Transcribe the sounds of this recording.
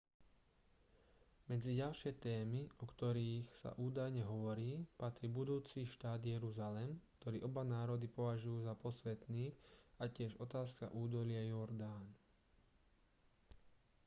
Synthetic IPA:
mɛd͡ziɟalʃɪɛt̪ɛːmiɔkt̪ɔɾiːxsa̰ʔuːd̪ajɲɛɦɔʋɔɾiːpat̪ɾiːbud̪uːt͡siːʃt̪aːd̪jɛɾuzalɛmkt̪ɔɾiːʔɔbanaːɾɔd̪ipɔʋaʒujuːzapɔsʋɛt̪niːacɪɛʒɔt̪aːska̰ʔuːd̪ɔlɪajɔɾd̪aːn

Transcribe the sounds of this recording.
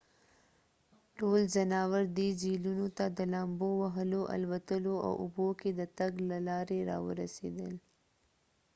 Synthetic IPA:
ʈolzanɑwaɾd̪id͡ʒilunot̪ad̪əlɑmbowaɦəloʔa̰lwat̪əloa̰wʔʊboked̪ət̪aɡlalɑɾeɾɑ̰wə̰ɾa̰sḛd̪əl

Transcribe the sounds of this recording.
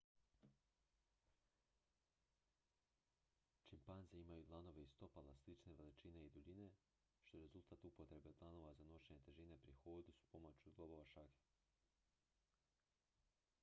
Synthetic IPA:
t͡ʃimpanzeimajut̪lˠano̞ʋe̞ist̪o̞palaslit͡ʃne̞ʋe̞lit͡ʃine̞id̪uʎine̞ | ʃt̪o̞eɾe̞zulˠt̪aːt̪upot̪ɾe̞be̞p̪lˠano̞ʋazano̞ʃe̞ɲe̞t̪eʒine̞pɾixoːd̪usu̥po̞mot͡ɕuɡlˠoboʋaʃake̥

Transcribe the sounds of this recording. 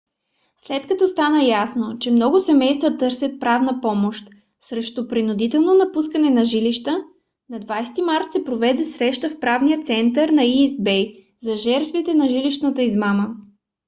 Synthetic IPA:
slɛt̪kɐt̪ɔst̪anəjasnot͡ʃɛmnɔɡʊsɛmɛjst̪vət̪ɤɾsʲət̪̚pɾavnəpɔmoʃt̪ | sɾɛʃt̪ʊpɾinʊd̪it̪ɛlˠnonɐpuskənɛnɐʒiliʃt̪ə | nɐd̪vajst̪imaɾt̪sɛpɾovɛd̪ɛsɾɛʃt̪əfpɾavnijət̪sɛnt̪əɾnɐizd̪̚bɛj | zɐʒɛɾt̪vit̪ɛnɐʒiliʃnət̪əizmamə

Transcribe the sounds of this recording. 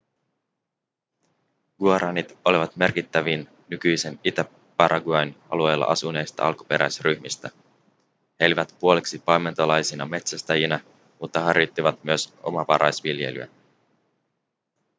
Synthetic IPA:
ɡ̥uɑɾɑnit̪o̞liʋɑt̪me̞rkit̪ːæʋinːykyjse̞nit̪æ | pɑɾʔɑɡuɑjnɑ̰lue̞jlːɑ̰ʔɑsune̞jst̪ɑ̰ʔɑlku̥pe̞ɾʔæ̰jsryçmist̪æ | he̞liʋæt̪puo̞leksipɑjme̞nt̪olɑjsinɑme̞t̪sæst̪æjinɑ | mut̪ːɑɦɑrjot̪ːiʋɑt̪myøsʔo̞̰mɑʋɑɾʔɑjsʋilje̞̰ly̰æ̰

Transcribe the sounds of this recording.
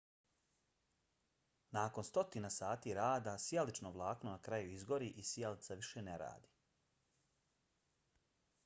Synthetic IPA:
naːko̞nst̪o̞t̪inasaːt̪iɾaːd̪asjalit͡ʃnoʋlˠaːknonakɾajuizɡo̞ɾiʔisjalit̪saʋiʃeneɾa̰ːd̪i

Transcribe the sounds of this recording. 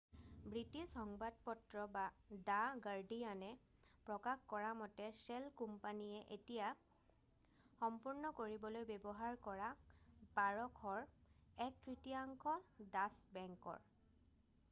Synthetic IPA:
bɹitisxɔŋbadpɔtɹɔbadaɡaɹdijanɛ | pɹɔkaxkɔɹamɔtɛsɛlkumpanijɛʔetija | xɔmpuɹnɔkoɹibɔlojbebɔɦaɹkɔɹabaɹɔkʰɔɹɛk̚tɹitiaŋkʰɔdasbɛŋkɔ̰ɹ

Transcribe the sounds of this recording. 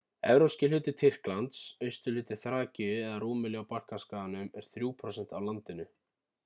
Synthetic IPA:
ɛ̰vɾowscɪlʏːt̪ɪt̪ʰɪr̥klant̪sœɥst̪ʏlɪːt̪ɪ̥θɾaːcɪʏɛðaruːmɪlɛɣawpar̥kaskaːðanʏmɛɾ̥θɾjuːpʰɾɔsɛn̥t̪awlant̪ɪnʏ

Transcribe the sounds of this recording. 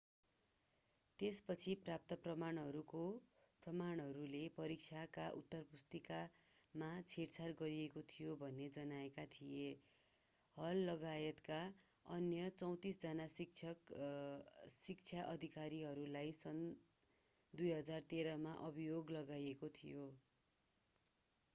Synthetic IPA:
t̪espʌt͡sʰiprap̚t̪ʌprʌmaɳɦʌɾuko | prʌmaɳɦʌɾulepʌɾik̚t͡sʰjakaʔut̪ːʌrpust̪ikamat͡sʰeɾt͡sʰarɡʌɾiekot̪ʰijobʱʌnːed͡zʌnaekat̪ʰije | ɦʌlːʌɡajʌt̪ka | ʌnjʌt͡sʌw̃t̪isd͡zʌnasik̚t͡sʰʌk | sik̚t͡sʰjaʔʌd̪ʱikaɾiɦʌɾulajsʌn | d̪ujɦʌd͡zart̪eɾʌmaʔʌbijoɡlʌɡajekot̪ʰijo

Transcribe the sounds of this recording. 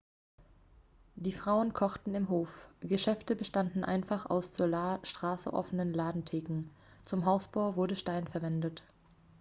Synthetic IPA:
d̥iːfʁ̥aʊənkʰɔχtn̩ɪmɦoːfɡ̥əʃɛftəbəʃtandn̩ʔa̰ɪnfaχa̰ʊsz̥olaːʃtʁ̥aːsə̰ʔɔ̰fənənlaːdn̩tʰeːkŋ̩ | t͡sʊmɦaʊsb̥aʊvʊɐdəʃtaɪnfɛɐvɛndət

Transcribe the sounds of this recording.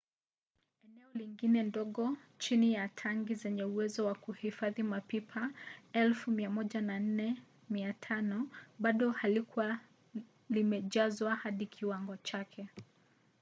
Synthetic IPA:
ɛnɛɔliŋɡinɛndɔɠɔ | t͡ʃinijatʰaŋɡizɛɲɛuwɛzɔwakuhifaðimapipʰaɛlfumiamɔʄanan̩nɛ | miatʰanɔɓaɗɔhalikuwa | limɛʄazwahaɗikʰiwaŋɡɔt͡ʃakʰɛ

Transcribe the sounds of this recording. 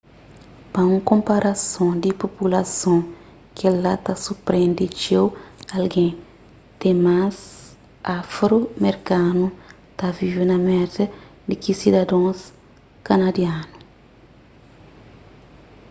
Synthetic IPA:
pɐũŋkõmpaɾʔasõd̪ipopulasõ | kʰelat̪asupɾẽnd̪it͡ʃewalɡẽ | t̪ẽmas | afɾomeɾkanu | t̪avivenɐmɛt̪ɐd̪ikisid̪ɐd̪õs | kanad̪janu

